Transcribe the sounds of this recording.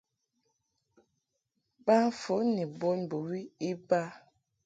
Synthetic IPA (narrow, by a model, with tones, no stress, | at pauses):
ba˦n˦fo˨˦ni˨bo˦nbo˨wi˦i˦ba˦